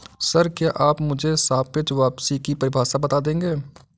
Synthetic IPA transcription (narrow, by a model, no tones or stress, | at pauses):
sɐɾkjaʔaːpmʊd͡ʒʱesaːpɪt͡ʃʋaːpsikipɐɾɪbʱaːʃabɐt̪aːd̪ẽːŋɡeː